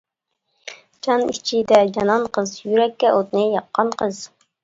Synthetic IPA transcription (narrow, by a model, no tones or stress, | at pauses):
d͡ʒɑnit͡ʃʰid̪ɛd͡ʒɑnɑnqʰəzjyɾɛkʲːɛʔot̪nɨjɑqːɑnqʰəz̥